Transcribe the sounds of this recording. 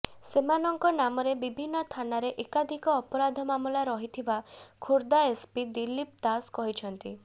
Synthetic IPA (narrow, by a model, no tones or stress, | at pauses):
semanɔŋkɔnamɔɾebibʱinːɔt̪ʰanaɾeʔekad̪ʱikɔːpɔɾad̪ʱɔmamulaɾɔɦit̪ʰibakʰuɾd̪aespid̪ilːip̚t̪askɔɦit͡ʃʰɔnt̪i